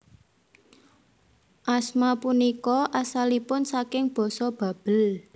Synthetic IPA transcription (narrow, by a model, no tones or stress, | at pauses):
ʔasmapunikɔʔasalipʊnsakɪŋb̥ɔ̤sɔb̥ä̤b̥ə̤l